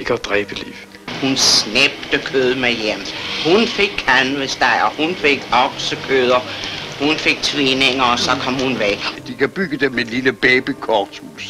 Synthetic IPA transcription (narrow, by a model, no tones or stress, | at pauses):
eɡ̥əɒd̥ʁɛːb̥əlḭʊ | hunsneb̥̚d̥əkʰøðˠmejemhunfe̝ɡ̥̚kʰænʋəsd̥ɑ̈ɪ̰ɒhunfeɡ̥ɒɡ̥səkʰøð̞ˠɐhunfe̝ɡ̥̚t͡sʰʋeneŋɐːsɒ̽kʰɒ̽mhunʋeɡ̥d̥ikʰæb̥yɡ̥əd̥emːenliləb̥ɛːb̥ikʰɒt͡sʰus